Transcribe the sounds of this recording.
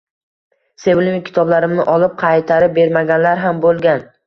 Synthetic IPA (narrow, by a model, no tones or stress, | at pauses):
se̞vlʲɪmɪkʲʰɪ̥t̪ʰɒblaɾɪmnɪʔɒlˠɪp̚qʰɑjt̪ʰaɾɪp̚be̞ɾmaɡʲanlaɾɦambolˠɡʲan